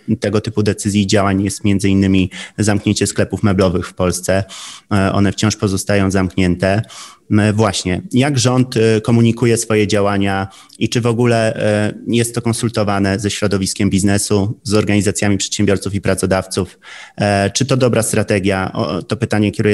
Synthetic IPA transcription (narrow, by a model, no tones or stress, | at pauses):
t̪ɛɡɔt̪ɘpud̪ɛt̪sɘzʲjiːd͡ʑawaɲjɛst̪mjɛnd̪zɘinːɘmʲizamkɲeɲt͡ɕɛsklɛpufmɛblɔvɘxfpɔlst̪sɛʔɔ̰nɛft͡ɕɔ̃w̃ʂpɔzɔst̪ajɔ̃w̃zamkɲɛnt̪ɛ | vwaɕɲɛjaɡʐɔnt̪kɔmuɲikujɛsfɔjɛd͡ʑawaɲa | it͡ʂɘvɔɡulɛ | jɛst̪ːɔkɔ̃nsult̪ɔvanɛzɛɕɾɔd̪ɔvʲiskʲɛmbʲiznɛsuzɔɾɡaɲizat̪sʲjamʲipʂɛt̪ɕɛ̃mbjɔɾt̪sufipɾat̪sɔd̪aft̪suf | t͡ʂɘt̪ɔd̪ɔbɾast̪ɾat̪ɛɡʲjaʔɔ̰t̪ɔpɘt̪aɲɛkʲɛɾu